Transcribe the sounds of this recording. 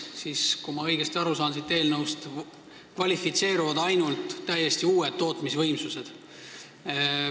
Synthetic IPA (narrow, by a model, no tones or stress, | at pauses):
siskumɑɤ̞jɡ̥est̪ʲɑɾusɑːnsit̪ːe̞ːlnɤwst̪ | kvɑlʲifit̪se̞ːɾuvɑd̪ɑjnult̪ˑːæje̞st̪iuːed̪̥̚t̪ːo̞ːt̪misvɤjmsuse̞d̪̥